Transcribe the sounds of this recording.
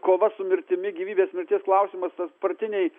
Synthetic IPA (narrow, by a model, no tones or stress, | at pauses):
koːʋɐsʊmʲɪɾʲt̪ʲɪmʲɪɡʲiːʋʲiːbʲeːsmʲɪɾʲt̪ʲiɛsklˠɐʊsʲɪmɐst̪ɐspɾrɐt̪ʲɪnʲɛɪ